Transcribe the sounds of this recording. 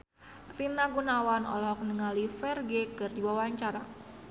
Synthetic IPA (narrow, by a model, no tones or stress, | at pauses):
rinaɡunawanɔ̰lɔhɔknəŋalifɛrɡekɨrdiwawaɲt͡ʃaɾa